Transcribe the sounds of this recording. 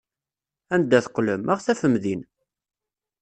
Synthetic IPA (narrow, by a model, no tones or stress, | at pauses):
ænd̪ːæθqːləmʔəʁθæfəmðin